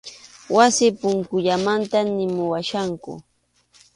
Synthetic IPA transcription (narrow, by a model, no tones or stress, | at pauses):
wasɪpʊŋkʊʎamant̪anɪmʊwaʃaŋkʊ̰